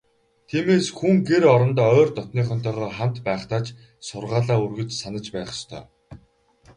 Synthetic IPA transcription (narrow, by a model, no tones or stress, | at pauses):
t̪ʰiːmeːsxuŋɡeɾɔɾɞ̆nt̪ɔːœːrt̪ɔt̪niːχɔn̥t̪ʰœːʁɔːχam̥t̪pæːχt̪aːt͡ɕ | sʊrʁaːɮaːurɣɘ̆t͡ɕsanə̆t͡ɕpæːχə̥̆st̪ʰœ̰ː